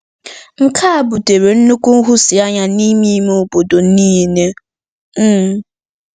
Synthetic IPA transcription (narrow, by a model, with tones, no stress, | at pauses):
ŋ̩˦kʰa˦a˨bu˨te˨ɾe˨n̩˦nu˦ku˦n̩˦ɦʊ˦si˨a˦ɲa˦ni˦mi˦me˨o˨bo˨do˨n̩˦i˦˨ne˦˨